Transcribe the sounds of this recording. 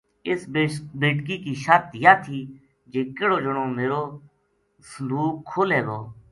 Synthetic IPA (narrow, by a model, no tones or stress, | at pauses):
ɪsbeːʈkiːkiːʃət̪jaːt̪ʰiː | d͡ʒeːkeːɽoːd͡ʒəɳõːmeːɾoː | səluːkʰːoːlɦeːɡoː